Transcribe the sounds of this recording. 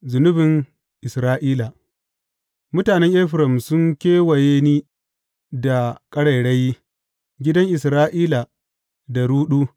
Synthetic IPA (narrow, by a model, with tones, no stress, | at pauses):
zʊ˨nʊ˦bɪ˨ŋ | ʔɪ˨sɾaː˦ʔiː˦la˨ | mʊ˦taː˨nɛ˦ŋʔe˦ɸɾɐ˨msʊ˦ŋkʲeː˦wɐ˨je˦niː˦ | da˨kʼɐ˦ɽɐ˨jɽɐ˦jːi˦ | ɡʲɪ˦dɐ˦ŋʔɪ˨sɾaː˦ʔiː˦la˨ | da˨ɾuː˦ɗuː˦